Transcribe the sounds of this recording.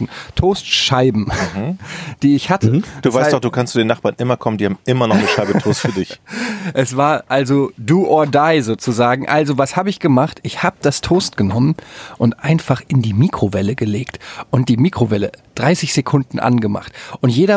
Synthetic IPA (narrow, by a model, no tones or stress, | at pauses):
n̩tʰoːstʃaɪbm̩d̥iːɪçhatʰəd̥uːvaɪsd̥ɔχd̥uːkʰanstsuːdeːnaχb̥aːɐnʔɪmɐkʰɔməndiːhaːbmʔɪmɐnɔχnəʃaɪbəttʰoːstfyːɐdɪçʔɛsv̥aːɐʔalzoduːʔoːɐdaɪzoːt͡suzaːɡŋ̩ʔalzovashaːbəɪçɡ̥əmaχtʔɪçhaːbəd̥astʰoːst̚ɡ̥ənɔmənʔʊntʔaɪnfaχʔɪndiːmiːkʁ̥ovɛləɡəleːktʔʊnt̚d̥iːmiːkʁ̥ovɛləd̥ʁaɪsɪçz̥ekʰʊndn̩ʔa̰nɡəma̰χtʔʊntjeːɾɐ